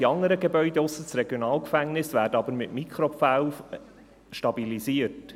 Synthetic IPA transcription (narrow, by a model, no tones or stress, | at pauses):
iɑŋəɾəɡebœʏdeʊsːət͡sɾeɡjonɑːlkfæŋnɪsʋæːɾdəɑbəɾmɪtmikɾopfaw | ʃtɑbiliziəɾt